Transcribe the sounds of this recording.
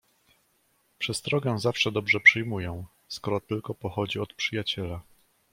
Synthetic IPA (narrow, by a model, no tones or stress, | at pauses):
pʂɛst̪ɾɔɡɛ̃zafʂɛd̪ɔbʐɛpʂɘjmujɔ̃w̃ | skɔɾɔt̪ɘlkɔpɔxɔd͡ʑiɔt̪pʂɘjat͡ɕɛla